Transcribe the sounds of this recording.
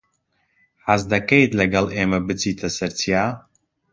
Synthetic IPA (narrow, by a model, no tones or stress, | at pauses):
ħazd̪ɐkejt̪lɛɡɐlʔeːmɛbɨt͡siːt̪ʰɐsɛɾt͡sʰijaː